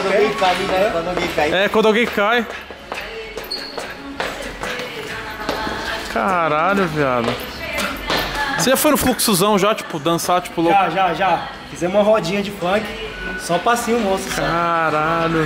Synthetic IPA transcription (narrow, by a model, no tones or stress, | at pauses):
d̪ɡɡẽkamĩdɐɛkwɐ̃nd̪aɡẽj̃kajɛkwɐ̃d̪ʊawɡẽj̃kaj | kʰaɾaʎʊvia̰d̪ɐ | seʒafojnʊfluksuzɐ̃w̃ʒat͡ʃi̥pʊd̪ɐ̃sat͡ʃi̥pʊloʒaʒaʒa | fizɛũmɐɦɔd͡ʒĩɲɐd͡ʒɪfɐ̃kʲɪ̥ | sɔpɾasĩʊmost̪ɐksaɾaʎʊ